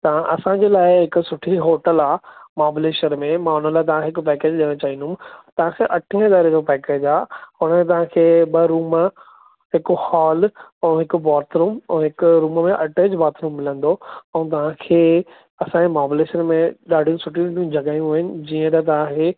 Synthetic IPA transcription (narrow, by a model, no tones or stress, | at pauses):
t̪ɐʋ̤ãʔɐsãɲd͡ʑeːlaːɪɦɪkʊ̆sʊʈʰiɦoːʈəlaːmaːbɪleːʃənmẽmãːɦʊn̤əlaːɪt̪ɐʋ̤ãɦɪkʊpɛːkeːd͡ʑɗiɽ̃õt͡ɕaːɦĩːnd̪ʊmt̪ɐʋ̤ãkʰeʔɐʈʰĩːə̃ɪd̪aːɾed͡ʑopɛːkeːd͡ʑaːɦʊɽ̃əmẽt̪ɐʋ̤ãkʰeːɓɐɾuːm | ɦɪkohaːlɛ̃ːɦɪkʊ̆baːɾt̪ʰɾuːmɛ̃ːɦɪkʊɾuːmmẽʔɐʈed͡ʑbaːɾt̪ʰɾuːmːɪlə̃nd̪oɛ̃ːt̪̬ɐʋ̤ãkʰeː | ɐsãemaːbɪleːʃənmẽɗaːɖʱijũsʊʈʰijũijũd͡ʑʱɐɠaːjũɦuːɦɪnɪ̆d͡ʑiːə̃t̪̬ɐt̪̬ɐʋ̤ãkʰeː